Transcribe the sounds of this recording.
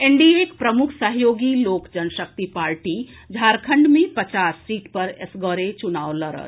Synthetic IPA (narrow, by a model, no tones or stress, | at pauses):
eɳɖiekpɾəmukʰsəɦjoɡilokd͡ʒənsək̚t̪ipaɾʈid͡ʒʱaɾkʰəɳɖmepət͡ʃasːiʈpəɾesɡəɾet͡ʃunawləɾə̰t̪